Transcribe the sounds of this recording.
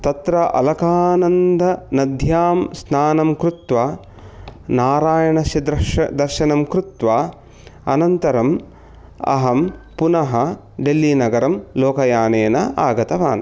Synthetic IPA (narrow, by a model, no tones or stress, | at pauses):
t̪ɐt̪ɾɐʔɐ̰lɐkaːnɐnd̪ʱɐnɐd̪ʱjaːmsnaːnɐmkɾut̪ʋa | naːɾaːjɐɳɐsɐd̪ɐɐd̪ɐɾʃɐnɐmkɾut̪ʋaː | ɐ̰nɐnt̪ɐɾɐm | ɐ̰ɦɐmpunɐɦɐ | ɖelːinɐɡɐɾɐmloːkɐjaːneːnɐʔaːɡɐt̪ɐʋa̰ːnɐ